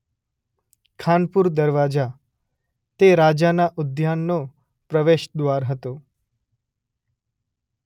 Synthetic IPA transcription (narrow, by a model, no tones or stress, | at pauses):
kʰanpuɾd̪əɾʋad͡ʒa | t̪eɾad͡ʒanaʔʊd̪ʱjanːo | pɾəʋeʃd̪ʋaɾɦət̪o